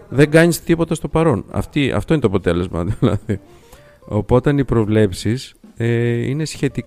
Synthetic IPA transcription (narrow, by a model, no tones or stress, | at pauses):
ðe̞ɡɐɲist̪ipo̞t̪ɐst̪o̞pɐɾo̞nɐ̰ft̪iɐ̰ft̪oinet̪oɐpo̞t̪e̞le̞zmɐ̰ðlɐ̰ði | o̞po̞t̪ɐnipɾo̞vle̞psiseḭne̞sçe̞t̪i